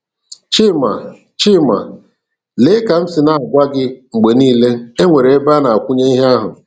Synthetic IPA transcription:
t͡ʃi˦˨ma̰˨ | t͡ʃi˦˨ma̰˨ | le˦ka˨m̩˦sɪ˨na˦˨a˨ɡʷa˦ɡɪ˦ŋ͡m̩˨ɡ͡be˨niː˦le˦e˦ŋʷe˨ɾe˨e˦ba˦na˨a˨kʷʊ˦ɲe˦i˦ɦa˦ɦʊ˨

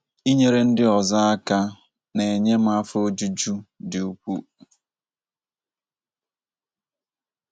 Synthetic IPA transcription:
i˦ɲe˦ɾe˦n̩˦dɪ˦ɔ˨za˦a˦ka˦ | ne˨e˨ɲe˦m̩˦a˦fo˦d͡ʒu˦d͡ʒu˦dɪ˨u˨kʷu˦

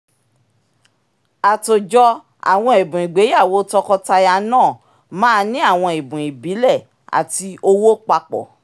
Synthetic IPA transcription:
a˨to˨d͡ʒɔ˧ | a̰˨w̃ɔ̃˧e˨bũ˨i˨ɡ͡be˨˦ja˦˨wo˨˦tɔ˧kɔ˧ta˧ja˧nãː˦˨ | mãː˦˧nĩ˦a˦˨w̃ɔ̃˧i˨bũ˨i˨bi˨˦lɛ˦˨ | a̰˨ti˧o˧wo˦k͡pa˧k͡pɔ̰˨

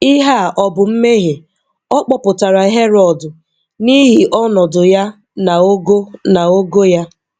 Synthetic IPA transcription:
i˦ɦa˦˨ʔɔ˨bʊ˨m̩˦me˦ɦe˨ | ɔ˦k͡pɔ˦pʊ˨ta˨ɾa˨ɦe˦ɾɔ˨dʊ˨ | ni˦ɦi˨ʔɔ˦nɔ˨dʊ˨ja˦ | na˨o˦ɡo˦na˨o˦ɡo˦ja˦

